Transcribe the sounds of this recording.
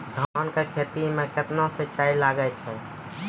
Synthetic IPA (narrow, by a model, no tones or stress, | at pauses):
d̪ʱənkekʰet̪imẽket̪nõset͡ʃailaɡɛt͡ʃʰɛ